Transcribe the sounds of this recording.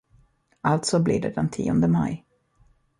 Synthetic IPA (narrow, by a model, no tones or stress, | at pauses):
ʔalt̪sɔblɪ̰ɖ̪ɛ̰d̪ɛnt̪ʰḭːɔnd̪əmaj